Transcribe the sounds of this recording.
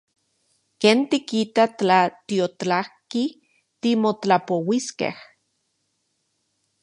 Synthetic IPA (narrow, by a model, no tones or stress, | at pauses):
keːnt̪ikit̪aat̪iot͡ɬahki | t̪imot͡ɬapowiskḛh